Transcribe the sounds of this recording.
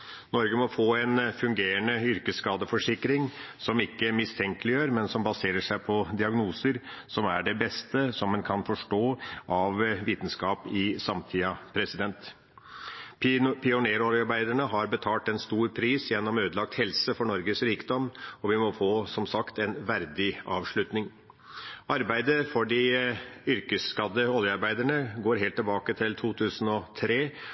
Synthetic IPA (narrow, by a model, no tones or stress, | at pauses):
nɔɾɡəmɔfoːɛnfʉŋɡeːɾənəʏɾkəsskɑːd̪əfɔʂɪkːɾɪŋsɔmɪkːəmɪst̪ʰɛŋkəlɪjøːɾmɛnsɔmbɑseːɾəʂæɪpʰɔd̪ɪɑɡnuːsəɾsɔmæɖɛbɛst̪əsɔmːɛnkʰɑnfɔʂʈoːʔɑʋʋiːt̪n̩skɑːpɪsɑmt̪ʰiːɑpʰɾɛsɪd̪ɛnt̪ | pʰɪʊneːɾoljɑɾbæɪd̪əɳəɦɑɾbət̪ʰɑːlʈɛnst̪uːɾpʰɾiːsjɛnːɔmøːd̪əlɑk̚t̪hɛlsəfɔɳɔɾɡəsɾiːkd̪ɔmɔʋɪmɔfoːsɔmsɑkt̪ɛnʋæɾd̪ɪɑːʋʂɭʉt̪nɪŋ | ɑɾbæɪd̪əfɔɖɪʏɾkəsːkɑd̪əɔljəɑɾbæɪd̪æɳəɡoːɾɦeːlt̪ːɪlbɑːkət̪ʰɪlt̪ʰuːt̪ʰʉːsən̩ɔt̪ʰɾeː